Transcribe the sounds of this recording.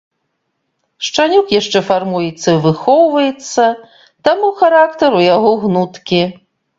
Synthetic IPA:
ʂt͡ʂanʲukjaʂt͡ʂɛfarmujɛt̪sːɐivɨxɔwvɐjɛt̪sːɐ | t̪amuxaɾakt̪ɐɾujaɣɔɣnut̪kʲi

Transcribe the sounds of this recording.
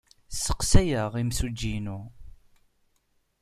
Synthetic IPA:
sə̥qsæjəʁimsud͡ʒːinu

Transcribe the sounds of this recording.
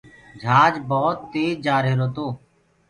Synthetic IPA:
d͡ʒʱaːd͡ʒbɔːt̪ːeːd͡ʒaːɾeːɾoːt̪oː

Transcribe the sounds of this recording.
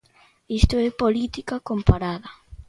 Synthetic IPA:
ist̪ʊɛpolit̪ikakompaɾaðɐ

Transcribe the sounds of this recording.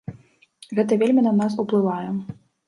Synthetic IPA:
ɣɛt̪ɐvʲelʲmʲinɐnas̬uplˠɨvajɛ

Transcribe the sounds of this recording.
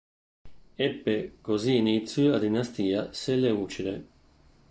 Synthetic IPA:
epːekoziːnit̪sjuad̪inast̪iːaselːeuːt͡ʃid̪ḛ

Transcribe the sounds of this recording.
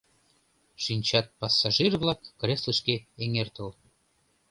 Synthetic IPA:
ʃinʲt͡ɕɑt̪̚pɑsːɑʒirvlɑkːrʲesləʃkeeŋert̪əl

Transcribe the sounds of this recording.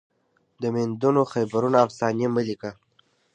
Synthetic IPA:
d̪əmend̪unoxajbaɾunaːfsɑneməlika

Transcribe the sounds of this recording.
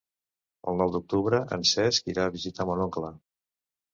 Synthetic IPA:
ə̰lˠnɔwd̪uk̚t̪uβɾəʔə̰nsɛskiɾaːβizit̪amonoŋkla

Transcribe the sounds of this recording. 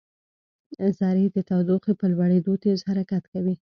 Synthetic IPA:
zɑɾed̪ət̪awd̪oqepəlwaɽed̪ot̪ezhaɾakat̪kawi

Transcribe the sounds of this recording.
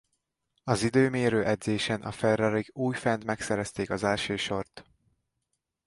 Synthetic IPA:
ɒzid̪øːmeːɾøːʔɛd̪zeːʃɛnʔɒ̰fɛrɒɾiɡuːjfɛnt̪mɛksɛɾɛst̪eːkɒzɛlʃøːʃo̞rt̪

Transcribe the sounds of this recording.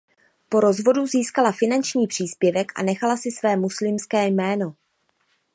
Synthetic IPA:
po̞ɾo̞zvo̞duziːskalafɪnant͡ʃɲiːpr̝̥iːspjɛvɛkʔa̰nɛxalasɪsvɛːmuslɪmskɛːjmɛːno̞

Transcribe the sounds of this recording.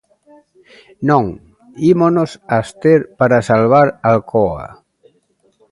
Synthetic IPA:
noŋ | imonosast̪eɾpaɾasalβ̞aɾalkʰɔa̰

